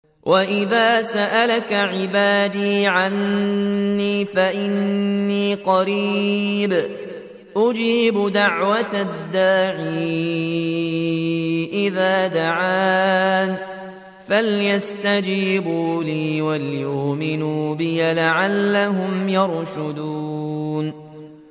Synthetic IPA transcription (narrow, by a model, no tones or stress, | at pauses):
wʔaʔɪðaːsaʔalakaʕɪbaːd̪iːʕanː | iːfaʔɪnːiːqɑɾiːb | ʔʊd͡ʒiːbʊd̪aʕwat̪ad̪ːaːʕiː | ʔɪðaːd̪aʕaːn | faljast̪ad͡ʒiːbuːliːwaljʊʔmɪnuːbɪjalaʕalːaɦʊmjɑɾʃʊd̪uːn